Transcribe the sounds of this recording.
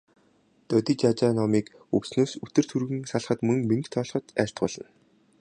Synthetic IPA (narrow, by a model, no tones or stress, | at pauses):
t̪œt̪iːt͡ɕat͡ɕanɔmiːk | ɵwsnoːsɵt̪ɘ̆r̥t̪ʰurɣɘ̆ŋsaɮχə̆t̪mɵŋmeŋkt̪ʰɔːɮχɞ̆t̪æːɬʲt̪ɢʊːɮə̆n